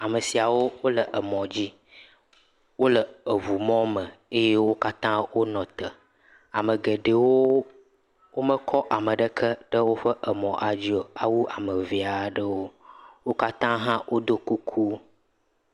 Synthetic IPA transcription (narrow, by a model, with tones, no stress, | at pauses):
a˨mə˨si˨a˨wo˦wo˦lə˨ʔə˨mɔ̃˨d͡ʑi˦ | wo˦lə˨ə˨βu˨mɔ̃˦mə̃˨e˦je˦wo˦ka˦t̪ã˦wo˦nɔ̃˨t̪ə˨ | a̰˨mə˨ɡe˨ɖə˨wo˦ | wo˦mə˦kʰɔ˦ʔa˨mə˨ɖə˦kʰə˦ɖə˦wo˦ɸə˦ʔə˨mɔ̃˨ʔa˨d͡ʑi˦o˨a˦wu˦ʔa˨mə˨vi˨a˨ɖə˦wo˦wo˦ka˦t̪ã˦ɦã˦wʔo˦d̪o˦ku˦kʰu˦